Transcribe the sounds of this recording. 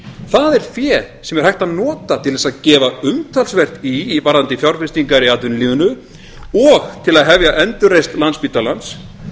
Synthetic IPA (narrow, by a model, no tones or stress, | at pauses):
θaðɛɾ̥fjɛː | sɛmɛɾ̥hajht̪anɔːt̪at̪ʰɪlðɛsaðcɛːvaʏmt̪ʰalsvɛr̥t̪ivaɾant̪ɪfjawɾfɪst̪iŋkaɾiaːt̪ðʏnlɪːɣʏnʏ | ɔxt̪ʰɪlaðɦɛvjaʔɛnt̪ʏrejst̪lanspiːt̪alans